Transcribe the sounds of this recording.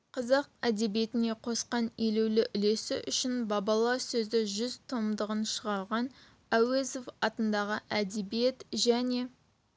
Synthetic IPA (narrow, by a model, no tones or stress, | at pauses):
qʰɑzɑq̚æd̪e̞bije̞t̪ɪne̞qʰo̞sqɑnelewlɪʔʏle̞sɪ̰ʔʏʃɪnbɑbɑlˠɑsɵzd̪ɪʒʏzt̪ʰo̞md̪əʁənʃəʁɑɾʁɑn | æwe̞zo̞fɑt̪ənd̪ɑʁəʔæd̪e̞bije̞t̪ʒæne̞